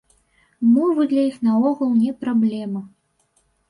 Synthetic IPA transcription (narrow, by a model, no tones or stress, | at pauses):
mɔvɨd̪lʲɐjixnaɔɣɐwnʲɛpɾablʲɛmɐ